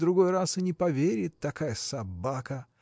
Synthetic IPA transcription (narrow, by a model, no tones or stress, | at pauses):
d̪ɾʊɡo̞jrasɨnʲɪpɐvʲeɾʲɪt̪ːɐkajəsɐbakə